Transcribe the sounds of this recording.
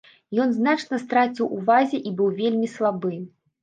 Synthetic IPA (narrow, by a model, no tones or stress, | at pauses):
jɔnznat͡ʂnɐst̪ɾat͡sʲiwʔuvazʲɛʔibɨwvʲelʲmʲislˠabɨ